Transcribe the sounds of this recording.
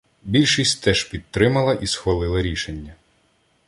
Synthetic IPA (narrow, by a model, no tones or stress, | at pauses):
bʲilʲʃisʲtʲt̪ɛʒpʲid̪̚t̪ɾɪmɐlˠɐʔisxʋɐlˠɪlˠɐɾʲiʃenʲːɐ